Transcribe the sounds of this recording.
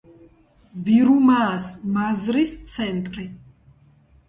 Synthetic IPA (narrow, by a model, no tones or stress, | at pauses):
viɾumaːsmazɾist̪sʰɛnt̪ʼɾi